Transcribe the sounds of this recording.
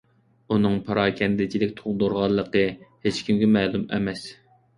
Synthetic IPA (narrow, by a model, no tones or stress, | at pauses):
unɨŋpʰɑɾɑːkʲʰɛnd̪ɪt͡ʃʰilɪkʲt̪ʰoŋd̪oɾʁɑlˠːəqəhet͡ʃkʲimɡʲɛmɛːlumɛ̰mɛs